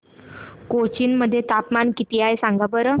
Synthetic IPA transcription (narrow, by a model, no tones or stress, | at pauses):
kot͡ɕiːnməd̪ʱːjet̪apmankit̪iːaesãŋɡabəɾə